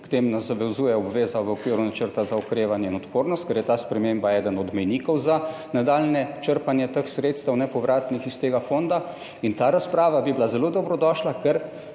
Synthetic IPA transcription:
kt̪eːmnazaʋɛzuːjɛɔbʋeːzaʋəɔkʋiːɾunat͡ʃəɾt̪azaɔkɾeːʋanjɛinɔt̪poːɾnɔst̪̚kɛɾjɛt̪aːspɾɛmembaɛːd̪ənɔd̪mɛjniːkɔwza | nad̪aːlnɛt͡ʃəɾpanjɛt̪əxsɾeːt̪st̪əwnɛpɔʋɾaːt̪nixist̪eːɡafond̪a | int̪aːɾaspɾaːʋabiblazɛlod̪ɔbɾɔd̪ɔːʃlakɛɾ

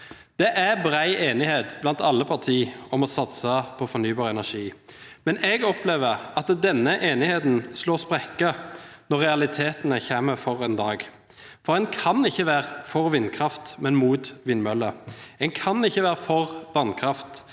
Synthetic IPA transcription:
d̪̥ɛʔæɾbʁæɪʔeːnɪheːt̪blɑnt̪ɑlːəpʰɑʁt̪ʰiːɔmɔsɑt̪səpʰɔfɔɾnyːbɑːʁəɛnæʂiːmɛnɛːɡɔpleːʋəʁɑt̪d̪ɛnːəʔeːnɪheːt̪n̩sloːspʁɛkːənɔʁɛɑlɪt̪ʰeːt̪nəçæːməɾfɔʁɛnd̪ɑːɡ | fɔɾɛnkʰɑnɪçːəʋæːʁəfɔʁʋɪnːkʰɾɑft̪mɛnmuːt̪ʋɪnmœlːəɛnkʰɑnɪçːəʋæːʁəfɔʁʋɑnkʰɾɑft̪

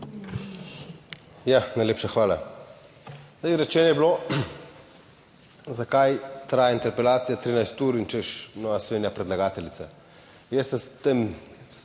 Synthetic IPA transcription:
janajleːpʃaxʋaːla | aɾɛt͡ʃɛːnɔjɛblo | zakajt̪ɾaːjaint̪ɛɾpɛlaːt̪sijat̪ɾinajst̪uːɾint͡ʃɛʃnɔʋaslɔʋeːnjapɾɛd̪laɡaːt̪ɛlit̪sa | jəsɛst̪em

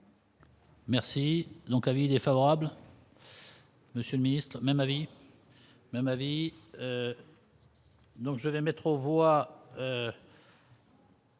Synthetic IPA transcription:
mɛʁsid̪ɔ̃kavilɛfavɔʁabl | məsjøləminist̪χmɛmavi | mɛmaviø | d̪ɔ̃kʒəvɛmɛt̪χovwaø

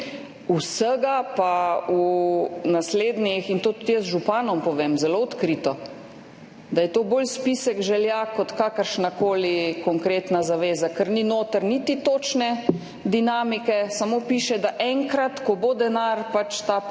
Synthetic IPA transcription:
usəɡapaunasleːd̪nixint̪oːt̪u̥t̪jəzʒupaːnɔmpɔʋeːmzɛloɔt̪kɾit̪ɔ | d̪ajɛt̪oːboːlspisɛɡʒɛljakɔt̪kaːkəɾʃnakoːlikɔŋkɾeːt̪nazaʋeːzakəɾninoːt̪əɾnit̪it̪oːt͡ʃnɛ | d̪inaːmikɛsamoːpiːʃɛd̪aʔɛŋkɾat̪kɔbod̪ɛnaɾpat͡ʃt̪a

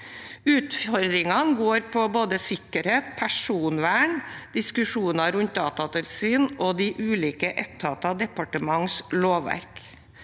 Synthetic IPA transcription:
ʉːt̪fɔɾd̪ɾɪŋɑnɡoːɾpʰɔboːd̪əsɪkːəɾheːt̪̚pʰæʂuːnʋæːɳd̪̥ɪskʉʂuːnɑɾʉnt̪̚d̪ɑːt̪ɑt̪ʰɪlsyːnoːd̪iʔʉːliːkəʔɛt̪ʰːɑt̪ɑd̪ɛpɑʈəmɑŋsloːʋæ̰ɾk

